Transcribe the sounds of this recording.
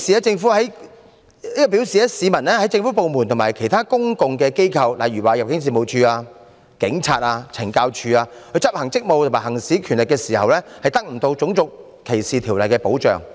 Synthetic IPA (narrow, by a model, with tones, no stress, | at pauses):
siː˨a˦˥t͡sɪ˧ŋfuː˨˦˥hɐ˨˦˥j | iː˥kɔ˨piː˨˥wsiː˨˧ɛ˥siː˨˧mɐ˨˩nlɛː˥hɐ˨˥jt͡sɪ˧ŋfuː˨˥po˨˧wmu˨˩nt̪ʰʊ˨˩maː˨˩jkʰe˨˩jt̪ʰaː˥kʊ˥ŋkʊ˨ŋkɛː˧ke˥jkʰɐ˧wla˨jɥyː˨˩waː˨˩jɐ˨p̚kɪ˨˥ŋs̬iː˨˩mo˨˧wt͡ʃʰyː˧aː˧ | kɪ˨˥ŋt͡sʰa̰ː˧t̚aː˧t͡sʰɪ˨˩ŋkaː˧wt͡ʃʰyː˧aː˧kʰɵ˨˧t͡sɐ˥p̚hɐ˨˩ŋt͡sɪ˥k̚mo˨˧wt̪ʰmaː˨˩hɐ˨˩ŋsiː˨˥kʰyː˨˩nlɪ˨kːɛː˧siː˨˩hɐ˨wlɛː˥hɐ˨jt̪ɐ˥k̚m̩˨˩t̪o˧wt͡sʊ˨˥ŋt͡sʊ˨k̚ | kʰːe˨˩jsiː˨˩t̪ʰiː˨˩wlɐ˨jkɛː˧po˨˥wt͡ʃœ̰ː˨˩ŋ